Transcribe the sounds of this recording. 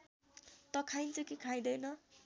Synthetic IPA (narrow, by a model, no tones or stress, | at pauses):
t̪ʌkʰajnt͡sʌkekʰaj̃d̪ʌjnʌ